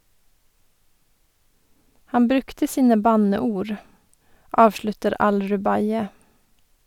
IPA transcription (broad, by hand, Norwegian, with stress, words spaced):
ˈhɑm ˈbɾʉktə ˈsiːnə ˈbɑnəˌuːɹ ˈʔɑːʋʃlʉtəɾ ˈɑlɹʉˌbɑɪə